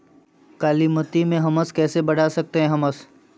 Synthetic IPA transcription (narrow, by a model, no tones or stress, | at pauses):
kaːlimət̪imẽɦɐməskɛːsebɐɽ̤asɐk̚t̪eɦɛ̃ɦɐməs